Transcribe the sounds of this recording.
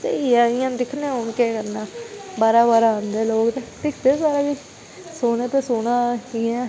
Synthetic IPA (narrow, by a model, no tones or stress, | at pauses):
d͡ʒḛiãːɪjãːd̪ɪkʰnẽːoːɳkeːkəɾnaːbaːɾaːbaːɾaːãːnd̪eːloːkd̪eʈ̪ɪkʰd̪eːsaːɾaːbi | soːneːt̪eːsoːɽãːiːɛː